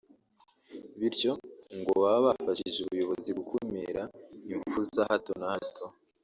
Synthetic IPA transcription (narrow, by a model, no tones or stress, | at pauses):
βiɾco̞ŋɡo̞βaββafaʃiʒeuβujo̞βo̞ziɡukʰomeɾaiɱfuzahato̞nahatʰo̞